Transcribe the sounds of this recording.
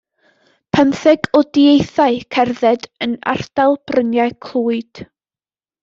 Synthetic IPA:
pʰənθɛɡɔdiejθaɨkʰɛrðɛdəna̰r̥d̥alˠb̥rənjaɨkʰlˠuːɨd̥

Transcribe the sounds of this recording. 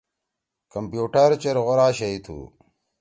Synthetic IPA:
kɐmpjuːʈɐɾt͡ɕɐɾɣoɾaːɕɐjt̪ʰṵː

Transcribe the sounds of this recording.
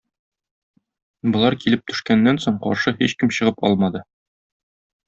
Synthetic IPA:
bɤ̆lˠɑɾkilɘp̚t̪ɵ̆ʃkænːænsoɴqɒ̰ɾʃɤhiɕkɘmɕɤ̆ʁɤpɒ̰lˠmɑd̪ɤ

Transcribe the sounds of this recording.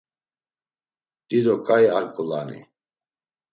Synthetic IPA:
d̪̥id̪ɔkʼajaɾkʼula̰nḭ

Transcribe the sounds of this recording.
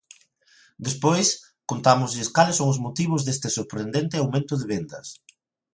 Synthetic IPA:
d̪espojs | kont̪amʊzʎɪskalɪsoŋʊzmot̪iβ̞ʊzðest̪ɪsoɾpɾend̪ent̪ɪawmẽnt̪ʊðeβend̪ɐs

